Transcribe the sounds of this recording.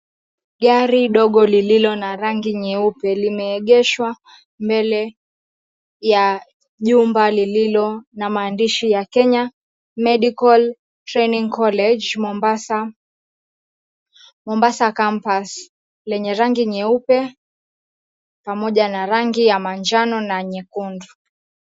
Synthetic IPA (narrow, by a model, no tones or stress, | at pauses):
ɠaɾiɗɔɠɔlililɔnaɾaŋɡiɲɛupɛlimɛːɠɛʃwa | mbɛlɛ | ja | ʄumbalililɔnamaːndiʃijakɛɲa | mɛɗikal | tɾɛniŋkɔlɛd͡ʒmɔmbasa | mɔmbasakampas | lɛɲɛɾaŋɡiɲɛupɛ | pamɔʄanaɾaŋɡijamand͡ʒanɔnaɲɛkundu